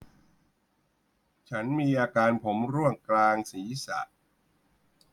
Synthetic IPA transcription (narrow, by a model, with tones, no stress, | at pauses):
t͡ɕʰa˦˥nmiː˧ʔaː˧kaː˧npʰo˩˦mɾu˥˩əŋklaː˧ŋsiː˩˦sa̰˨˩ʔ